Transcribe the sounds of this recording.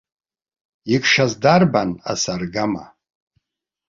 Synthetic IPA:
ikʰʂazdarbana̰sarɡama̰

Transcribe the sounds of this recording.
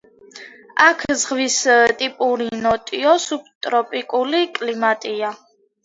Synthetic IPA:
akʰzʁwist̪ʼipʼuɾinɔt̪ʼiɔsup̚ʰt̪ʼɾɔpʼikʼulikʼlimat̪ʼia

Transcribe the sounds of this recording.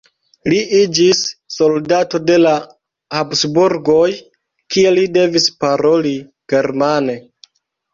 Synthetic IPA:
liid͡ʒisːo̞ldato̞de̞la | habsbuɾɡo̞j | kie̞lide̞vispaɾo̞li | ɡ̥e̞ɾmane̞

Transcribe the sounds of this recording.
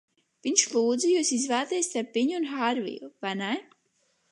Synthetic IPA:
v̥iɲʃlˠuːd̪zɨjuːsizvaːt̪iːst̪aɾpːiɲunxaɾvḭjuvanaj

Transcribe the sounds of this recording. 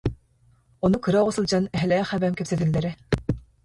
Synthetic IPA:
ɔnukɯɾaʁɔsɯlˠd͡ʑanɛɦɛlɛχæbæmkɛpsɛt̪ilʲːɛɾɛ

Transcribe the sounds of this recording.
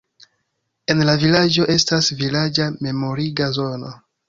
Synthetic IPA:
e̞nlavilad͡ʒo̞ʔe̞stasvilad͡ʒame̞mo̞ɾiɡazo̞no̰

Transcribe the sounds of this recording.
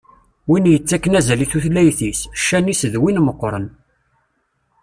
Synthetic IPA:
winjət͡sːækːənæzæliθuθlæjθisʃːænisðwinməqːɾˤə̰n

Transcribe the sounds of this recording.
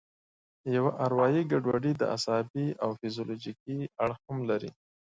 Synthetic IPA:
jawaʔaɾwɑjiɡaɖwaɖid̪ə̰ʔa̰sɑbiawfizjolod͡ʒik̚iaɽxhamlaɾi

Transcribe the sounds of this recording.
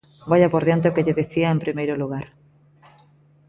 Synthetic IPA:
baʎapoɾðjant̪eokeʎeðeθiaempɾimejɾoluɣ̞aɾ

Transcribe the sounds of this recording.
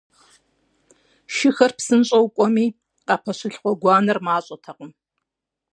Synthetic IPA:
ʃɪxɐrpsɨnɕʼɐwkʷʼɔmiː | qɑpʰɐɕɪɬχʷɔɡʷɑːnɐrmaːɕʼɐtʰɐqəm

